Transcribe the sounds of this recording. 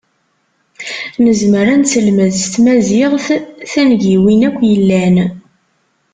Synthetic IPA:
nəzməɾænt͡səlməðst̪mæzɪʁθθænʝiwinækʷːjəlːæn

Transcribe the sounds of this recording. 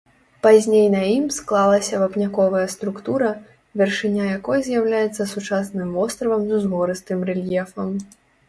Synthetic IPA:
pazʲnʲejnɐimsklˠalˠɐsʲɐvɐpnʲakɔvɐjɐst̪ɾukt̪uɾɐ | vʲɛrʂɨnʲajakɔjzʲjawlʲajɛt̪sːɐsut͡ʂasnɨmvɔst̪ɾɐvɐmzuzɣɔɾɨst̪ɨmrɛlʲjɛfɐm

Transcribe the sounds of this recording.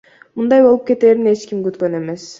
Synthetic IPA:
mund̪ɑjbo̞lˠup̚ke̞t̪e̞ːɾine̞t͡ʃkimɡyt̪kø̞ne̞me̞s

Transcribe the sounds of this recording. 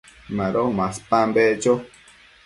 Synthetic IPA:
maɾomaspambet͡ʃo

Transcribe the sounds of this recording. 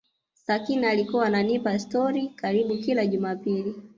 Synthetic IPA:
sakinaalikuwaːnanipastɔɾikaɾiɓukilaʄumapili

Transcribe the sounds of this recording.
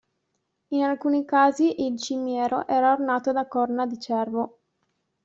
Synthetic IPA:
inalkuːnikaːziʔilt͡ʃimjɛːɾoʔɛːɾaornaːt̪od̪akɔrnad̪it͡ʃɛrvo

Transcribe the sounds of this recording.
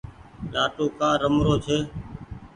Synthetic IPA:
laːʈoːkãːɾəmɾoːt͡ʃʰeː

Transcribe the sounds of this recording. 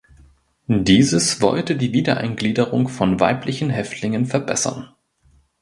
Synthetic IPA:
diːzəsv̥ɔ̰ltədiːviːdɐʔa̰ɪnɡliːdəʁʊŋfɔnva̰ɪplɪçn̩ɦɛftʰlɪŋənfɛɐbɛ̰sɐ̰n

